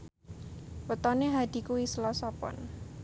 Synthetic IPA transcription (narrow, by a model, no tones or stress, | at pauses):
wət̪ɔneɦad̪̥i̤kuwisəlɔsɔpɔ̰n